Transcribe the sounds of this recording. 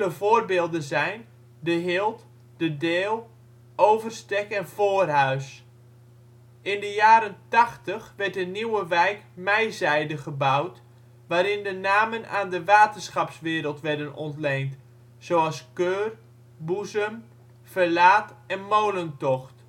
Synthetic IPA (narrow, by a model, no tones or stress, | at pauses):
ləvoːrbeːlˠdənzɛjn | dəɦɪːlˠt | dədeːlˠ | owvərstɛkɛnfoːrɦœɥs | ɪndəjaːɾəntaxtəxʋɛrt̚dəniwəʋɛjkmɛjzɛjdəχəbawt | ʋaːɾɪndənaːməna̰ːndəʋaːtənsχɑpsʋɪːɾəlˠtʋɛrdənɔntlejnt | soːɑskøːr | buzəm | fərlaːtɛnmowləntɔxt